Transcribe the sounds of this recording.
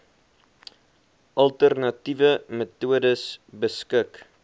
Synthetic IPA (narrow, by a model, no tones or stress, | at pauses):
ʔɐlˠtərnɐtivəmətuədəsbəskək